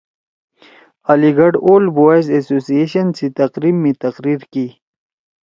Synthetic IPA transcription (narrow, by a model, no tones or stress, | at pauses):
aliɡɐɖoːlboezesoːsijeɕənsit̪ɐqɾiːmːẽt̪ɐqɾiːɾki